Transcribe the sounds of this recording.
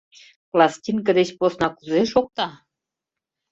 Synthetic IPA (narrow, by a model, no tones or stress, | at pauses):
plɑsʲtʲink̬əd̪et͡ɕposnɑkuzeʃok̚t̪ɑ